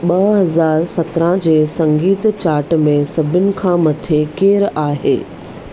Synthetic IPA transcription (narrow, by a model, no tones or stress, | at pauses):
ɓɐɦɐzaːɾsɐt̪ɾãd͡ʑeːsɐ̃ŋɡiːt̪t͡ɕaːɾʈmẽsɐbʱɪʊnɪ̆kʰãːmɐt̪ʰekeːɾaːɦeː